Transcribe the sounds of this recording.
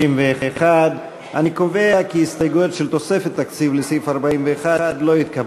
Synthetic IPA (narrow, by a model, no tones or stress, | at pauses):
imvead̪ | a̰niko̞veakiist̪ajɡoot̪ʃelt̪o̞sefet̪ːakt͡sivlesifaʁbaimveːχad̪lo̞jit̪kab